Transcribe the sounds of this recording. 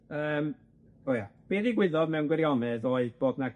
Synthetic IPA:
əːm | ojab̥iːdiɡwɪðɔdmɛwnɡwɛɾjɔnɛðɔːɨb̥oːdna

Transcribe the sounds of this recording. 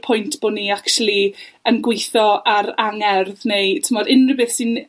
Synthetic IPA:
pʰʊjntʰb̥oniːakʃulˠiənɡwɪjθɔʔaɾaŋɛrðnejtʰɪmɔdɪnrɪbɨθsɪn

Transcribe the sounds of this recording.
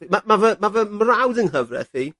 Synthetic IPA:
mamavəmavəmrawdənɦəvrɛ̰θi

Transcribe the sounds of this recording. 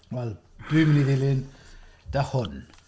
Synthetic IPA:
wɛlˠ | d̥uɨməniðɪlˠɪnd̥ahʊn

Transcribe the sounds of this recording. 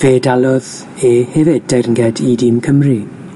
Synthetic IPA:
v̥eːdalˠɔð | ehɛvɪd̚derŋɡɛdidimkʰəmri

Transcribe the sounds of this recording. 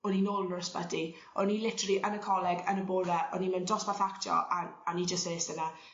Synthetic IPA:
ɔninoːlˠənɔrsb̥ə̰di | ɔnilˠɪtəriʔənəkʰɔlˠɛɡənəbʊːɾɛʔɔnimɛndrɔsmaθaktʰjɔ̰ʔaanid͡ʒəseːsəna

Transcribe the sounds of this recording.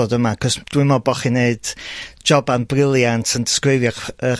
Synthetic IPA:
ɔdəmakʰɔsd̥wɪmɔbɔχineɨd̥d͡ʒɔbanbrɪlˠjantʰəndɪ̥skrɨvjɔə

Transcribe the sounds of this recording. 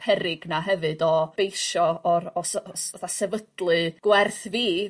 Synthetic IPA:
pʰɛɾɪɡnaɦɛvɨdɔb̥ejʃɔɔɾsəθasɛvədlˠɨɡ̥wɛrθviː

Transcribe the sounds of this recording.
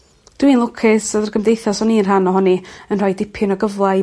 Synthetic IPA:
d̥winlˠʊkʰɪsədərɡəmdejθɔsɔniənrɦanɔɦɔniənrɔjdɪpʰɪnɔɡəvlˠa

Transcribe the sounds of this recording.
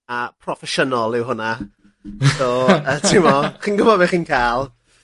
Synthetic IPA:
apʰrɔfɛʃənɔlˠɪwɦʊna | soːətʰɪmɔχiːnɡʊəbɔbɛχiːnkʰaːlˠ

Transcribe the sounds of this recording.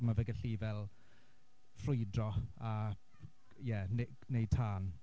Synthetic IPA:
mavəɡəɬivɛlˠ | frʊjdrɔa | jɛne | nej̚tʰaːn

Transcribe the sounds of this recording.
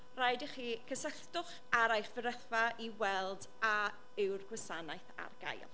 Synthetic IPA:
rajdəχiːkʰəsəɬdʊχ | aɾajχvəɾəθvaʔiwɛlˠd | a | ɪwrɡwɛsanajθa̰rɡ̥a̰jlˠ

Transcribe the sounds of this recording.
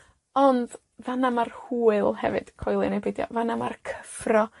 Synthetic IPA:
ɔnd̥ | vanamarhuːɨlˠhɛ̰vɨd̥kʰɔjlˠɨnebedjɔ̰vanama̰rkʰə̥frɔ

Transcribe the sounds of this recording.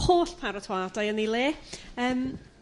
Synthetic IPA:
hoːɬpʰaɾɔtʰwaːdajənileːəːm

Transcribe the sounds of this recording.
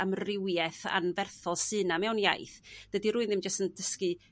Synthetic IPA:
amrɪwjɛθa̰nvɛrθɔlˠsɨːnamɛwnja̰jθd̥ədiɾuːɨnðɪmd͡ʒəstəndəskɨ

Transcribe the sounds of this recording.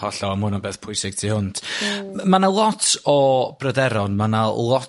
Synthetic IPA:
ɔɬɔəmhʊnɔnbeːθpʰʊjsɪɡ̥tʰiːhʊnd̥ʰmanalˠɔtʰɔb̥rədɛɾɔnmanalˠɔ

